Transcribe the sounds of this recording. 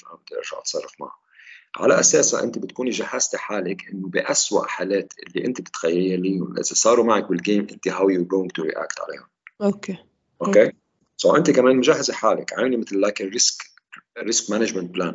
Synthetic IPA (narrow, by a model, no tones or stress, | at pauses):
ʔa̰mbd̪ʔɪ̰ɾʒa̰ʕʔɑ̰t̪sˤɑrˤːɑfma̰ʕa̰ | ʕa̰la̰ʔaseːsa̰ʔɪ̰nt̪ibɪt̪kuːniʒahaz̥t̪iħaːlɪkʔɪnːʊbɪʔaswa̰ʔħaːleːt̪ʔɪ̰lːiʔɪnt̪ibɪt̪xajːajːaliːnl̰zisˤɑːɾumaʕak̚bɪlɡeːmʔɪnt̪iɦawjuɡoːwɪ̃ŋɡt̪uɾḭːʔa̰ːkt̪ʕa̰lḛːhʊnoke | ʔokeː | sɑwʔɪnt̪ikameːnmʊʒaɦːaziħaːlɪ̰kʕaːɪlimɪt̪lːaːkɪrɪsk | ɾɪskmanaʒmɛnt̪̚blaːn